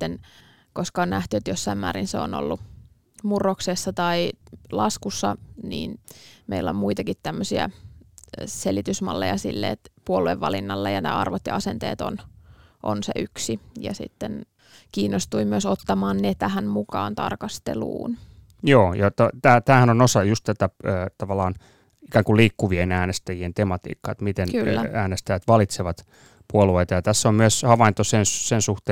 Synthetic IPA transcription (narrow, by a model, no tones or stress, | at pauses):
t̪ːen | koskɑonnæht̪yet̪josːɑimmæːɾinseono̰lːu | murːoksesːɑt̪ɑilɑskusːɑnḭːnmeilːo̰mmuit̪ɑkit̪t̪æmːøsiæ̰ | selit̪ysmɑ̰lːejɑsḭlːḛːt̪puolueʋːɑlinːɑlːejɑnḛːɑ̰rʋot̪jɑɑsent̪eːt̪onʔonsḛʔyksijɑ̰sḭt̪ːen | kiːnːost̪uimyøsot̪ːɑmɑːnnet̪æhænmukɑ̰ːnt̪ɑ̰rkɑst̪elṵːn | joːjɑt̪ot̪æːt̪æːhænonosɑjust̪t̪æt̪æəːt̪ɑʋɑlˑɑːn | ikæːŋkuliːkːuʋienæːnest̪æjient̪emɑt̪ḭːkːɑ̰ːet̪mit̪enkylːææːnest̪æjæt̪ʋɑlit̪seʋɑt̪ | puolueit̪ɑjɑt̪æsːommyøshɑʋɑint̪osenssensuht̪e